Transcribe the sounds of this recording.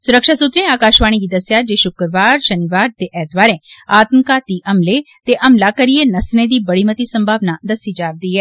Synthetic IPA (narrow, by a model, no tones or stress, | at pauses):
sʊɾəkʃaːsʊt̪ɾẽːaːkaːʃʋaːɽ̃iɡiːd̪əsjaːd͡ʒeːʃʊkɾʋaːɾʃəniʋaːɾt̪eːʔɛːt̪baːɾẽːaːt̪mkaːt̪iːʔəmle | t̪eːʔɐmlaːkəɾieːnəsnẽːd̪iːbəɽiːmət̪iːsə̃mbʱaːʋnaːd̪əsiːd͡ʒaːɾd̪iːɦɛː